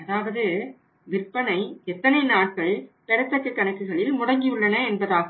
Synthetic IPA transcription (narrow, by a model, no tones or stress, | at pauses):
ɐðaːʋɐðɯ | ʋɪrpːɐnɐɪɛt̪ːɐnɐɪnaːʈ̚kɐɭpɛɾɐt̪ːɐkːɐkːɐnɐɪkːɯɣɐɭɪlmʊɽɐŋɡɪɯɭːɐnɐɛnbɐðaː